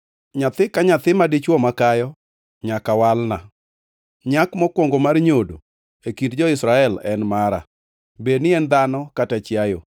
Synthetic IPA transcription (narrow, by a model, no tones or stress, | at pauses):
ɲat̪ɪkaɲat̪ɪmadɪt͡ʃwɔmakajɔ | ɲakawalna | ɲakmɔkwɔŋɡomarɲodo̰ | ekindd͡ʒɔɪsɾaɛlɛ̰nmaɾa̰ | benɪɛnd̪anɔkatat͡ʃjajo̰